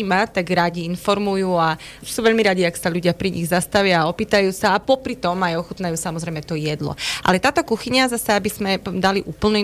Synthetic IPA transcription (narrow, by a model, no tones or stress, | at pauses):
mat̪aɡɾaɟiinfɔɾmujuːa | suːʋɛʎmiɾaɟiaksaʎuɟɪapɾiɲḭɣzast̪aʋɪaːɔpiːt̪ajuːsaːpɔpɾit̪ɔmajɔxut̪najuːsamɔzɾɛjmɛt̪ɔjɛd̪lɔ̰ʔa̰lɛt̪aːt̪ɔkuxiɲazasɛabizmɛd̪aliʔuːpl̩nu